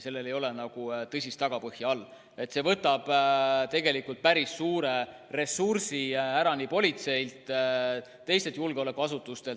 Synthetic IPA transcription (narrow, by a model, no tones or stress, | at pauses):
se̞lːe̞le̞jo̞le̞nɑɡ̥ut̪ɤsʲist̪ɑɡ̥ɑpɤhjɑɑlː | e̞t̪ːˑse̞vɤt̪ːˑɑb̥t̪e̞ɡ̥e̞likːult̪̚pæɾisːuːɾe̞re̞sursiæɾɑnipo̞lʲit̪se̞ilt̪ˑ | t̪ːe̞jst̪e̞t̪julɡ̥eo̞le̞kːˑuɑsut̪ːˑust̪e̞l